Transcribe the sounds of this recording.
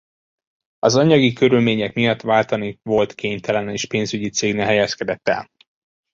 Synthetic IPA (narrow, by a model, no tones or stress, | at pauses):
ɒzɒɲɒɡikø̞ɾylmeːɲɛkmijɒt̪ːʋaːlt̪ɒnivo̞lt̪keːɲt̪ʰɛlɛneːʃpeːnzyɟit̪seːɡnɛɦɛjɛskɛd̪ɛt̪ːɛ̰l